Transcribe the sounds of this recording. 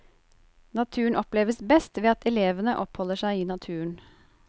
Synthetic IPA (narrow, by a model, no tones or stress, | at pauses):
nɑt̪ʰʉːəɳɔpleːʋəsbɛst̪ʋeːɑt̪ʰɛleːʋənəʔɔphɔləʃæɪiːnɑt̪ʰʉːəɳ